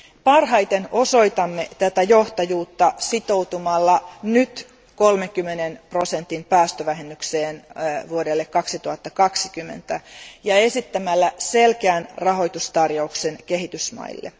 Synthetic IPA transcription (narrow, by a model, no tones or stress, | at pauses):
pɑrɦɑjt̪eno̞so̞it̪ɑmːet̪æt̪æjo̞ht̪ɑjuːt̪ːɑsit̪o̞wt̪umɑlːɑnyt̪ | kolmeŋkymːenenpro̞sent̪ːinpæːst̪øʋæɦemːykseːnʋuodelːekkɑksit̪uhɑt̪ːɑkɑksikymːḛnt̪æjɑe̞sit̪ːæmælːæselkeæːnrɑɦo̞jt̪ust̪ɑrjouksenke̞ɦit̪ysmɑ̰ḭlːḛ